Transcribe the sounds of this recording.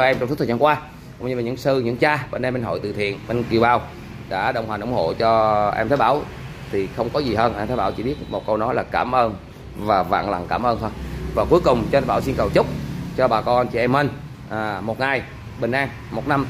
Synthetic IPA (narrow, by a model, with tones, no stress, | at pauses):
ʔɛ˧mt͡ɕŋ͡msʰtʰə˨˩˨a˧ŋkwaː˧ | kʊ̰˧˥wŋ͡mɲɨ˧laː˨˩ɲɨ̰˧˥ŋsɨ˧ɲɨ̰˧˥ŋt͡ɕaː˧ɓḛ˧˩nɗe˧mɓe˧nɦo̰˧˨jt̪ɨ̰˨˩t̪ʰḭ˧˨ənɓe˧nki˨˩əwɓaː˨˩w | ɗa̰ː˧˥ɗə˧wŋ͡mhwa˨˩nʔə˧˩ŋ͡mho̰˧˨t͡ɕɔ˧ʔɛ̰˧mt̪ə˨˦jɓaː˧˩w | t̪ʰi˨˩xə˧wŋ͡mkɔ˨˦zi˨˩ɦəː˧nʔɛ˧mt̪ʰə˨˦jɓaː˧˩wt͡ɕḭ˧˩ɓi˦˥ət̚mo˨˩t̚kə˧wnɔ˨˦jlaː˨˩kaː˧˩mʔəː˧n | vaː˨˩va̰ː˧˨ŋla̰˨˩ŋkaː˧˩mʔəː˧nt̪ʰo˧jvaː˨˩ku˨˦jkʊ˨˩ŋ͡mt͡ɕɔ˧t̪ʰaː˧˩wsi˧nkə˨˩wt͡ɕʊ˦˥k͡p̚t͡ɕɔ˧ɓaː˨˩kɔ˧a˧nt͡ɕḭ˧˩˨ʔɛ˧mːə˧˩n | ʔaː˨˩mo˨˩t̚ŋa˨˩j | ɓë˨˩ŋʔaː˧ŋ | mo˨˩t̚na˧m